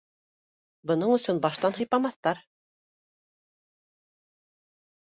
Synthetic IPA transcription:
bɤ̆nɤɴɵ̆sɵnbɑʃt̪ɑnɦɤ̆jpɑmɑθt̪ɑɾ

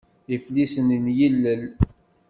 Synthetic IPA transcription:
iflisəninjilːəl

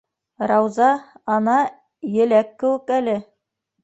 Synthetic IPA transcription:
ɾɑwzɑɑnɑ | jɘ̆lækːɘ̆wɘ̆kælɘ

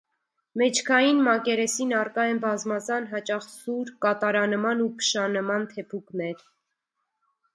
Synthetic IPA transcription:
mɛt͡ʃʰkʰɑjinmɑkɛɾɛsinɑrkɑɛnbɑzmɑzɑnɦɑt͡ʃɑχsuɾkɑt̪ɑɾɑnəmɑnupʰə̥ʃɑnəmɑnt̪ʰɛpʰuknɛɾ

